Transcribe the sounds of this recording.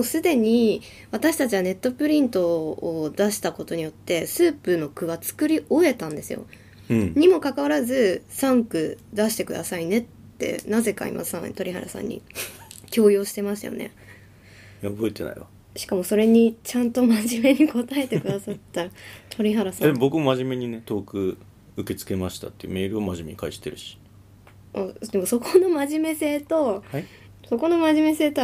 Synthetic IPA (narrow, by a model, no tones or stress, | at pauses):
mosɨd̪e̞ɲ̟i | βat̪aɕi̥t̪at͡ɕiβane̞t̪ːo̞pɯ̟ɾʲĩnt̪o̞ːd̪aɕi̥t̪ako̞t̪o̞ɲ̟ijo̞t̪ːe̞sɨːpɯ̟no̞kɯ̟βat͡sɨ̥kɯ̟ɾʲiʔo̞e̞t̪ãnd̪e̞sɨ̰jo̞̰ | ɲ̟imo̞kakaβaɾazɨsãŋkɯ̟d̪aɕi̥t̪e̞kɯ̟d̪a̰saine̞t̪ːe̞̰naze̞ka̰ḭmʔa̰sã̰ŋt̪o̞ɾʲiha̰ɾa̰sã̰ɲ̟ːḭkʲo̞ːjo̞ːɕi̥t̪e̞maɕt̪a̰jo̰nḛ | jaobo̞et̪e̞na̰ḭβa | ɕi̥kamo̞so̞ɾe̞ɲ̟it͡ɕãnt̪o̞maʑime̞ɲ̟iko̞t̪ae̞t̪e̞kɯ̟d̪asat̪ːat̪ʰo̞ɾʲiɦaɾasãd̪emobokɯmomaʑime̞ɲ̟ine̞t̪o̞ːkɯ̟ | ɯke̞t͡sɨ̥ke̞maɕi̥t̪a̰t̪ːejiɯ̟me̞ːɾɯ̟o̞maʑime̞̰ɲikaiɕi̥t̪e̞̰ɾɯ̟ɕi̥ | ad̪e̞mo̞so̞kono̞maʑime̞se̞ːt̪o̞ | so̞ko̞no̞maʑime̞se̞ːt̪o